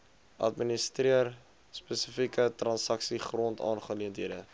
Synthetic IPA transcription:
ʔɐ̰tministriər | spəsəfikətrɐnsɐksiχrontɑ̰ːnχəliəntɦiədə

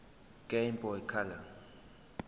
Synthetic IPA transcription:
kʼɛimpʼɔɛkʰala

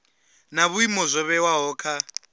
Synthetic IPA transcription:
naβuimɔzʷɔβɛwaɦɔːkʰa

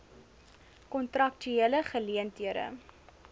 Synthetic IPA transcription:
kɔntrɐk̚tyeələχəliəntiəɾə̰

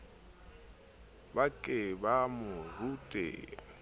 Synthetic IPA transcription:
bakʼɪbamʊrutʼḛː

